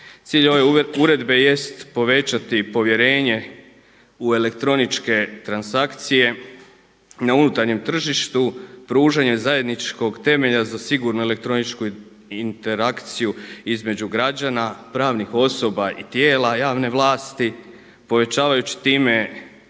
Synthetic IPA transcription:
t̪siːʎo̞ʋe̞uɾe̞d̪be̞je̞st̪po̞ʋe̞t͡ɕat̪ipo̞ʋje̞ɾe̞ːɲe̞ | ue̞le̞kt̪ɾo̞nit͡ʃke̞t̪ɾansakt̪sije̞ | naunut̪aɾɲe̞mt̪r̩ʒiʃt̪upɾuːʒaɲe̞zaje̞d̪nit͡ʃko̞ɡt̪e̞me̞ʎazasiɡuɾnuele̞k̚t̪ɾo̞nit͡ʃku | int̪e̞ɾakt̪sijuizme̞d͡ʑuɡɾad͡ʒanapɾaːʋnixo̞so̞baʔit̪jeːlˠajaːʋne̞ʋlˠaːst̪i | po̞ʋe̞t͡ɕaːʋajut͡ɕi̥t̪iːme̞

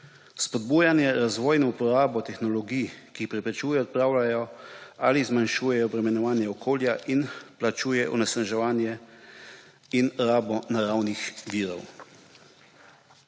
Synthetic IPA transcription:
spɔd̪̚buːjanjɛɾazʋɔːjnɔupɔɾaːbɔt̪ɛxnɔlɔɡijkixpɾɛpɾɛt͡ʃuːjɛɔt̪̚pɾaːwlajɔaːlizmanʃuːjɛjɔbɾɛmɛnɔʋaːnjɛɔkʰoːljaʔinplat͡ʃuːjɛʔɔ̰nɛsnaʒɛʋaːnjɛ | inɾaːbɔnaɾawnixʋiːɾɔ̰w

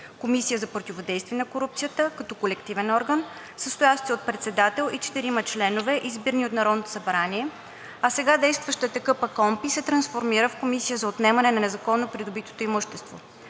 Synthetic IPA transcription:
komisijəzɐpɾot̪ʲivod̪ɛjst̪viɛnɐkoɾup̚t̪sijət̪əkɐt̪ɔkolɛkt̪ivɛnɔɾɡən | səst̪oʊjaʃt̪iot̪̚pɾɛt̪sɛd̪at̪ɛlˠʔit͡ʃɛ̥t̪iɾimɐt͡ʃlɛnovɛʔizbiɾnʲiot̪nɐɾɔd̪not̪o̥sɐbɾaniɛ | ɐsɛɡad̪ɛjst̪vəʃt̪ət̪ɐkɤpɐkɔmpisɛt̪ɾɐnsfoɾmiɾəfkomisijəzɐot̪nɛmɐnɛnɐnɛzɐkɔnːopɾid̪obit̪o̥t̪oimuʃt̪ɛst̪vo̰

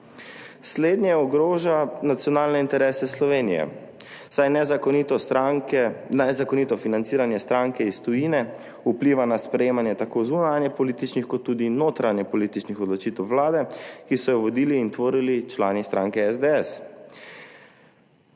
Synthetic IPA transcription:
sleːd̪njɛɔɡɾoːʒanat̪sjɔnaːlnɛint̪ɛɾɛːsɛslɔʋeːnijɛ̰ | sajnɛzit̪ɔ | nɛzakɔnit̪ɔfinant̪siːɾanjɛst̪ɾaŋkɛist̪ɔjinɛ | upliːʋanaspɾɛjeːmanjɛt̪akozunanjɛpɔlit̪it͡ʃnixkɔt̪ːuːd̪inoːt̪ɾanjɛpɔliːt̪it͡ʃnixɔd̪lɔt͡ʃit̪ɛwʋlaːd̪ɛkisɔjɔʋɔd̪iːliːnt̪ʋoːɾilit͡ʃlaːnist̪ɾaːŋkɛɛzd̪eɛs

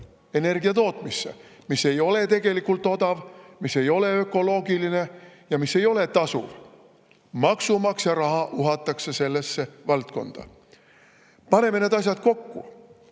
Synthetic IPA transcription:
e̞ne̞rɡiɑt̪o̞ːt̪ˑmisːḛ | misːe̞jo̞le̞t̪e̞ɡ̥e̞likult̪ːˑo̞d̪ɑvmisːe̞jo̞le̞ø̞kːˑo̞lo̞ːɡiline̞jɑmisːe̞jo̞le̞t̪ɑsṵv | mɑksumɑksjɑɾɑɦɑʔuɦɑt̪ːˑɑkse̞se̞lːesːe̞vɑlt̪ko̞̰nd̪̥ɑ̰ | pɑne̞me̞ne̞ːd̪ɑs̬ʲjɑd̪̥̚ko̞kːu

